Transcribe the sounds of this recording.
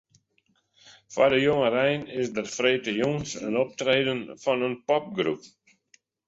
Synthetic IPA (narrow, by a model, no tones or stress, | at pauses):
fa̰dəjoŋərɛjnɪsdərfreːtəjoŋsə̰nɔp̚treːdənfɔnənpɔp̚ɡrṵp̚